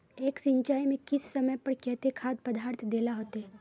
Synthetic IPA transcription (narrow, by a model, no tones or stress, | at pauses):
eːksɪ̃ɲt͡ʃaːimẽkɪsːɐməjpɐɾkɛːt̪ekʰaːd̪̚pɐd̪aːɾt̪ʰd̪eːlaɦoːt̪ɛː